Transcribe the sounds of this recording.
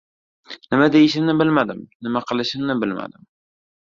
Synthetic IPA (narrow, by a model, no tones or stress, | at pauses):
nɪmad̪ejɪʃɪmnɪbɪlmad̪ɪmnɪmaqʰɨlˠɪʃɪmnɪbɪlma̰d̪ɪm